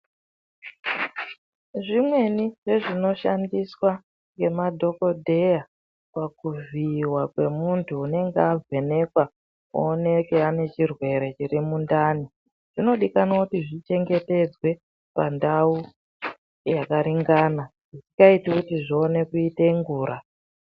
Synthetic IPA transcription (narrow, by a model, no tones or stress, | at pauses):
ʐimwe̞niʐe̞ʐino̞ʃandiswa | ŋɡe̞madʱo̞ko̞dʱe̞ja | pakuviwakwe̞muntʰuːne̞ŋɡeavʱe̞ne̞kwa | ṵːne̞keane̞t͡ʃirwe̞ɾe̞t͡ʃirimundaːni | ʐ̥ino̞ɗikanakutiʐit͡ʃe̞ŋɡe̞te̞d͡zwe̞ | pa̰ndau | jakaɾiŋɡaːnaʐisi̥kaitikutiʐione̞kuiteŋɡuːɾa